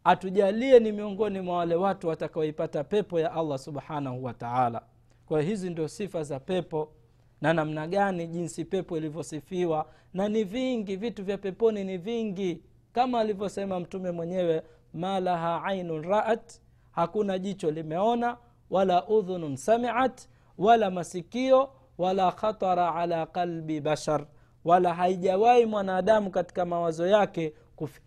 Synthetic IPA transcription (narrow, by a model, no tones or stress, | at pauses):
atuʄaliɛnimiɔŋɡɔnimwawalɛwatuwatakaɔipatapɛpɔjaʔalˠˤːasuɓħanahuwataʕala̰ | kwajɔhizindiɔsifazapɛpɔ | nanam̩naɠaniʄinsipɛpɔilivjɔsifiwa | naniviŋɡivituvjapɛpɔniniviŋɡi | kamaːlivjɔsɛmam̩tumɛmwɛɲɛwɛ | malaɦaʕajnunɾaʔat | hakunaʄit͡ʃɔlimɛɔna | walaʔuðunnsamiʕat | walamasikiɔ | walaːxɑt̪ˤɑɾʕalaːqalbiɓaʃaɾ | walaɦaiʄawaimwanaːɗamukati̥kamawazɔjakɛ | kuf